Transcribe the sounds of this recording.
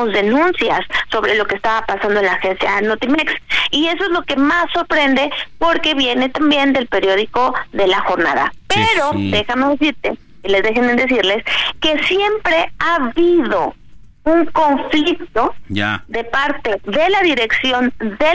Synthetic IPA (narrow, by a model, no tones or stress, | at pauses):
ozðe̞nũnsjasːo̞βɾe̞lo̞keːst̪aβapasand̪onlaːxe̞nsja̰not̪imeksie̞s̬oe̞zlo̞ke̞masːo̞ɾpɾe̞nd̪e̞po̞ɾke̞βje̞ne̞t̪ambje̞nd̪e̞lpe̞ɾjo̞ðiko̞ðe̞laxo̞ɾna̰ða̰peɾo̞d̪e̞xameðes̬iɾt̪e | ele̞zðe̞xened̪e̞s̬iɾle̞ske̞sje̞mpɾe̞aβiðo̞ | uŋko̞ɱflikt̪o̞ad̪e̞paɾt̪e̞ðe̞laðiɾe̞ksjo̞nde